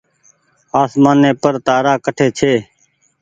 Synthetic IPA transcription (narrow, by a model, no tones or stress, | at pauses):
aːsmaːnːẽːpəɾt̪aːɾaːkəʈʰeːt͡ʃʰeː